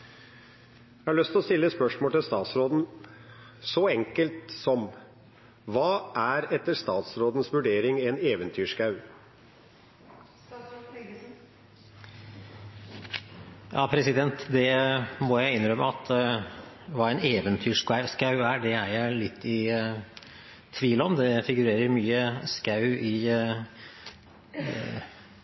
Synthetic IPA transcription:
æhæɭœst̪ʰlɔst̪ɪlːəspœʂmoːt̪ɪlst̪ɑːt̪sɾoːd̪n̩ | sɔɛŋkəlt̪sɔm | ʋɑːʔæɾɛt̪ːəst̪ɑːt̪sɾoːd̪n̩sʋʉɖeːɾɪŋɛneːʋənt̪ʰyːʂkɑʉ | jʔɑ̰ːpʰɾɛsɪd̪ɛnt̪d̪ɛmɔjæɪɪnɾœmːəɑt̪ʰ | ʋɑːɛneːʋənt̪ʰyːʂkɑskɑʉæɖɛæjæɪlɪt̪ʰːɪ | t̪ʰʋiːlɔmd̪ɛfɪɡʉɾeːɾəɾmyːəskɑʉʔɪ

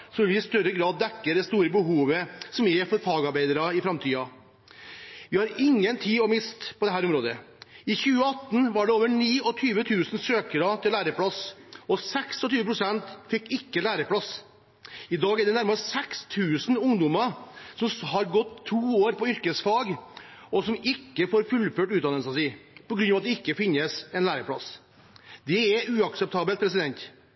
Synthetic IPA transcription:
sɔmɛʋɪɪst̪œɾəɡɾɑːd̪ːɛkːəɾd̪ɛst̪uːɾəbəɦuːʋəsɔmjɛfɔɾfɑːɡɑɾbæɪd̪əɾɑɪfɾɑmt̪ʰiːɑ | ʋɪhɑɾɪŋːənt̪ʰiːɔmɪst̪pʰɔd̪ɛɦæːɾʊmɾoːd̪ə | ɪçʉːəɑt̪ːn̩ʋɑɖɛoːʋəɳiːɔt̪ʰyːʋət̪ʰʉːsn̩søːkəɾɑt̪ʰɪlæːɾəpʰlɑsɔsɛksɔt̪ʰyːʋəpʰɾʊsɛnt̪fɪkːɪkːəlæːɾəpʰɽɑs | ɪd̪ɑːɡæɖɛnæɾməsɛkst̪ʰʉːsn̩ʊŋd̪ʊmɑsɔmhɑɾɡɔt̪ʰːuːoːɾpɔʏɾkəsfɑːɡ | ɔsɔmɪkːəfoːɾfʉlføːʈʉːt̪d̪ɑnəsɑsiːpɔɡɾʉnɑʋɑt̪d̪ɛɪkːəfɪnːəsɛnlæːɾəpʰɽɑ̰s | d̪ɛɛʉːɑksəp̚t̪ʰɑːbəlt̪̚pʰɾɛs̬ɪd̪ɛnt̪

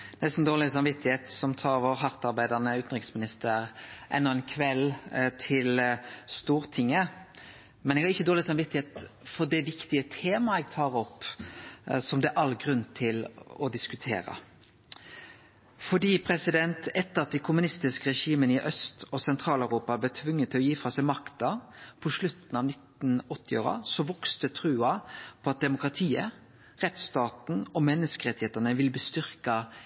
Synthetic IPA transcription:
nɛst̪n̩d̪oːlɪsɑnʋɪt̪ːɪheːt̪sɔmt̪ʰɑːʋɔɾɦɑɾt̪ɑɾbæɪd̪ənəʉːt̪n̩ʁɪksmɪnɪst̪əɾʔɛ̰nːɔɛnkʰʋɛlt̪ʰɪlst̪uːɾt̪ʰɪŋːə | mɛnɛɡhɑʁɪçːəd̪oːlɪsɑnʋɪt̪ːɪheːt̪fɔʁd̪ɛʋɪkt̪ɪət̪ʰeːmɑɛɡ̚t̪ʰɑːɾɔpː | sɔmd̪ɛʔɑlɡʁʉnt̪ʰɪlɔd̪ɪskʉt̪ʰḛːɾɑ̰ | fɔɖiːpʰɾɛsɪd̪ɛnt̪ɛt̪ːəʁɑt̪̚d̪ɛkʰʊmʉnɪst̪ɪskəʁɛʂiːmənəɪʔœst̪ɔsɛnt̪ʰɾɑːlœʉɾuːpɑb̪ɛt̪ʰʋʉŋːət̪ʰːɪlɔjiːfɾɑsɛɪmɑkt̪ɑpʰɔʂlʉt̪n̩ɑːʋnɪt̪n̩ɔt̪ːɪo̰ːɾə̰sɔʋɔkst̪ət̪ʰɾʉːɑpʰɔɑt̪̚d̪ɛmʊkɾɑt̪ʰiːə | ʁɛt̪st̪ɑːt̪n̩ɔmɛnːəskəʁɛt̪ːɪheːt̪ənəʋɪlbːst̪ʏʁkɑ

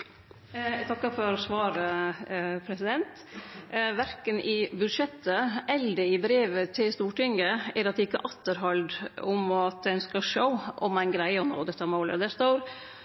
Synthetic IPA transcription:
t̪ʰɑkːəfɔɾɔsʋɑːɾə | pʰɾɛsɪd̪ɛnt̪ | ʋæɾkənʔɪbʉd̪ʂɛt̪ːəɛld̪əɪbɾeːʋət̪ʰɪlst̪uːʈɪŋːəæɾɑt̪̚ɛɪkːə̰ʔɑt̪ːəɾɦɑld̪ʊmɔɑt̪̚d̪ɛœnskɑʂəʊʔɔ̰mæɪnɡɾæɪəɔno̰ːd̪ɛt̪ːɑmoːlə̰d̪ɛst̪oːɾ

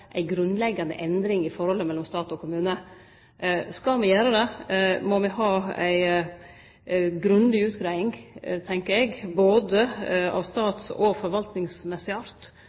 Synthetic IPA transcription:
ʔæ̰ɪɡɾʉnlɛɡːɑnə̰ʔɛnd̪ɾɪŋɪfɔɾhɔlːəmɛlːɔmst̪ɑːt̪ɔkʰʊmʉːnə | skɑmɪjæːɾəd̪ɛmɔmɪhɑːæɪ | ɡɾʉnd̪ɪʉːt̪ɡɾæɪɪŋt̪ʰɛŋkəɾɛɡboːd̪əɑ̰ːʋst̪ɑːt̪sɔ̰fɔɾʋɑlt̪nɪŋsmɛsːɪɑɾt̪

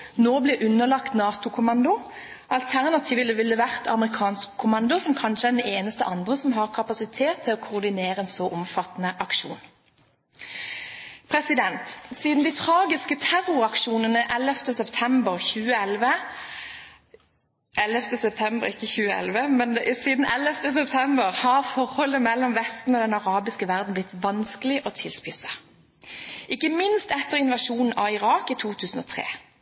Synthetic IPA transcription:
noːblɪɾʔʉnːəlɑkt̪nɑːt̪ʊkʰʊmɑnd̪ʊ | ɑlt̪ʰæʁnɑt̪ʰiːʋɪləʋɪlːəʋæʁt̪ʰɑ̰məʁɪkʰɑːnskʰːʊmɑnd̪ʊsɔmkʰɑnʃəɛd̪ɛeːnəst̪ə̰ʔɑnd̪ʁəsɔmɦɑʁkʰɑpɑsɪt̪ʰeːt̪ʰːɪlɔkʰʊʁd̪ɪneːʁəeːnsɔʔɔmfɑt̪nəʔɑkʂuːn | pʰʁɛsɪd̪ɛnt̪siːd̪n̩d̪ɪt̪ʰʁɑːɡɪskət̪ʰæʁʊʁɑkʂuːnənəʔɛləft̪əsɛpt̪ʰɛmbəʁçʉːəɛlʋə | ʔɛlft̪əsɛpt̪ʰɛmbəʁɪkːəçʉːəɛ̰lʋəmɛnsiːd̪n̩ɛləft̪əsɛpt̪ʰɛmbəʁhɑʁfɔʁhɔləmɛlːɔmʋɛst̪n̩oːd̪ɛnɑʁɑːbɪskəʋæʁd̪n̩b̪ɪt̪ːʋɑnskəlɪʔot̪ʰɪlspɪsɑ | ʔɪkːəmɪnst̪ɛt̪ːəʁɪnʋɑʃuːnn̩ʔɑɪʁɑːkiːt̪ʰuːt̪ʰʉːsn̩ɔːt̪ʰʁḛː

